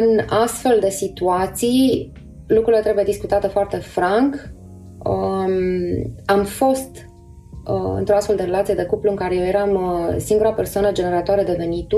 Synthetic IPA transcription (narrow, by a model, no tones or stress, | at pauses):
ɨnast̪fe̞ld̪e̞sit̪uat̪sij | lukɾuɾilet̪ɾe̞buje̞d̪iskut̪at̪əfoart̪e̞fɾaŋk | amfo̞st̪ | ɨ̰nt̪ɾoast̪fe̞ld̪eɾelat̪sijee̞kupluɨŋkaɾejejeɾamsiŋɡuɾapersoanəd͡ʒe̞ne̞ɾat̪oaɾed̪e̞ve̞nit̪u